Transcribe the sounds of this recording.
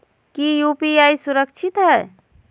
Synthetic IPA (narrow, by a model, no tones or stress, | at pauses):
kijupiajsuɾək̚t͡ʃʰit̪ɦɛ